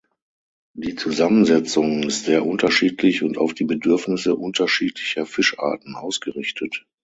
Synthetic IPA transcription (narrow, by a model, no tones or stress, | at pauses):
d̥iːt͡suzamənzɛt͡sʊŋɪstz̥eːɐʔʊntɐʃiːtʰlɪçʊntaʊfd̥iːbədʏɐfnɪsəʔʊntɐʃiːtʰlɪçɐfɪʃʔa̰ːɐtn̩ʔaʊsɡ̥əʁɪçtʰət